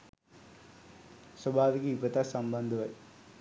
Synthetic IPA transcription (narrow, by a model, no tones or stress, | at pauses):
sɐbʱaːʋikiːbɐt̪asɐmbɐnd̪ʱɐʋɐj